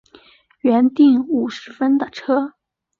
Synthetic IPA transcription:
ɥɛ˧˥nt̪i˥˩ŋu˨˩ʂɻ̩˧˥fə˥nd̪ə˨ʈ͡ʂʰɤ˥

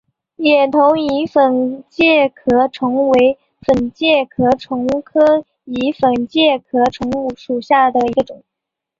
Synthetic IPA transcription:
jɛ˨˩nt̪ʰʊ˧˥ŋi˧˥fə˨˩nt͡ɕjɛ˥˩kʰɤ˧˥ʈ͡ʂʰʊ˧˥ŋwe˧˥ɪ | fə˨˩nt͡ɕjɛ˥˩kʰɤ˧˥ʈ͡ʂʰʊ˧˥ŋkʰɤ˥ | i˧˥fə˨˩nt͡ɕjɛ˥˩kʰɤ˧˥ʈ͡ʂʰʊ˧˥ŋu˥˩ʂu˨˩ɕja˥˩d̪ə˩i˧˥ɡə˧ʈ͡ʂʊ˨˩˦ŋ

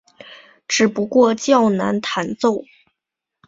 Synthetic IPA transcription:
ʈ͡ʂɻ̩˨˩pu˧˥kwɔ˥˧t͡ɕjɑ˥˩ʊna˧˥nt̪ʰa˧˥nt͡so˥˩ʊ

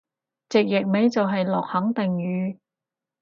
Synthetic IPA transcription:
t͡sɪ˨k̚jɪ˨k̚me˨˥jt͡sɐ˨wɦɐ˨jlɔ̰ː˨k̚hɐ˨˥ŋt̪ɪ˨ŋjyː˨˧

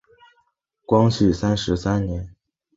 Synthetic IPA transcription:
kwɑ˥ŋɕʰy˨˩sa˥nʂɻ̩˧˥sa˥nnjɛ˧˥n

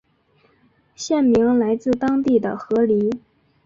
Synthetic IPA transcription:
ɕjɛ˥˩nmi˧˥ŋla˧˥ɪt͡sɹ̩˥˧t̪ɑ˥ŋt̪i˥˩d̪ə˩xɤ˧˥li˧˥

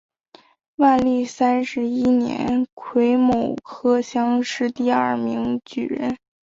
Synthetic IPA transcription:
wa˥˧li˥˩sa˥nʂɻ̩˧˥i˥njɛ̰˧˥nkʰwe˧˥ɪmo˨˩ʊkʰɤ˥ɕjɑ˥ŋʂɻ̩˥˧t̪i˥˧ɐ˞˥˩mi˧˥ŋt͡ɕy̰˨˩ɻə̰˧˥n

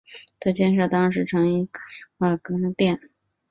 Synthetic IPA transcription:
t̪ʰɤ˥˧t͡ɕjɛ˥˧nʂ̬ɤ˥˩t̪ɑ˥ŋ˧ʂ̬ɻ̩˧˥ʈ͡ʂʰɤ˧˥ŋi˧˥a˥˩kɤ˧˥d̪ə˧t̪jɛ˥˩n

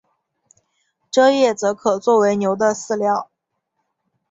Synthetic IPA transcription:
ʈ͡ʂɤ˥jɛ˥˩t͡sɤ˧˥kʰɤ˨˩t͡swɔ˥˩we˧˥ɪnjo˧˥ʊd̪ə˧sɹ̩˥˧ljɑ˥˩ʊ

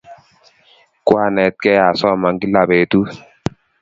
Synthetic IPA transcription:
kwa˦˨nɛ˨t̚kɛ˦a˨sɔ˦˨ma˨ŋɡi˦la˨be˨tu˦

